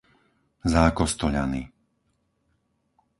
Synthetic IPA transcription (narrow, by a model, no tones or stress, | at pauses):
zaːkɔst̪ɔʎa̰ni